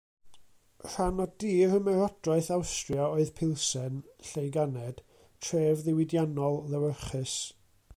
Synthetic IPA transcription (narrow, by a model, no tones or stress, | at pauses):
r̥anɔdiːɾəmɛɾɔdraɨθawstrjaoːɨðpʰɪlˠsɛnɬejɡanɛd̥ | tʰreːvðɪwɪdjanɔlˠːɛwəχɨs